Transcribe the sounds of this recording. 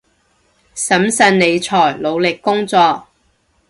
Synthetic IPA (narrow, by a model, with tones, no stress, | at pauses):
sɐ˨˥msɐ˧nne˨˧jt͡sʰɔː˨˩jlo˨˧wlɪ˨kːʊ˥ŋt͡sɔː˧k̚